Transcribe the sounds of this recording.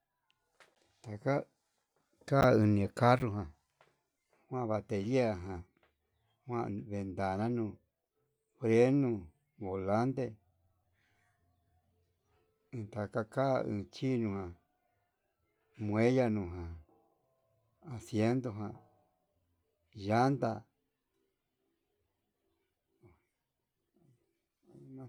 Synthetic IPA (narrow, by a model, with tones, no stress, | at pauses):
t̪a˨ka˦ | ka˦˧ɨ˧nĩ˧a˨˧ka˦ru˧ɦã˨ | hwã˦˧βa˧t̪e˨li˦a˧˨ɦã˨ | hw̃ã˦˧βe˨nd̪a˨nã˦nũː˧˨ | fɾe˦nũ˧ | βo˨la˦nd̪e˧ | ɨ̃˧t̪a˨ka˧ka˦ɨ̰̃˧t͡ʃi˦nũ˧hã˨ | mw̃ẽ˦ja˧nũ˧˨ɦã˨ | a˨sje˦nd̪o˧ɦã˧˨ | ja˦nd̪a˧˨˦